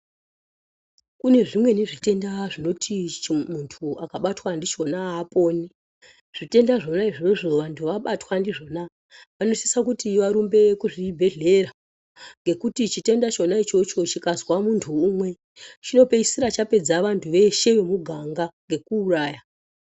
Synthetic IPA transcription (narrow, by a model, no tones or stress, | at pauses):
kune̞ʐimwe̞neʐite̞ndaʐino̞timuntʰuakaɓatwandit͡ʃo̞naɦːpo̞ːni | ʐ̥ite̞ndaʐo̞naiʐioʐo̞ʋantʰuʋaɓatwandiʐo̞na | ʋano̞sisakutiʋaɾumbe̞kuʐibʱe̞ɮe̞ra | ŋɡe̞kutit͡ʃite̞ndat͡ʃo̞nait͡ʃo̞t͡ʃo̞t͡ʃikazwamuntʰuːmwe̞ | t͡ʃino̞pe̞isiɾat͡ʃape̞d͡zaʋantʰuʋe̞ʃe̞ʋemuɡʱaŋɡaŋɡe̞kuːraːja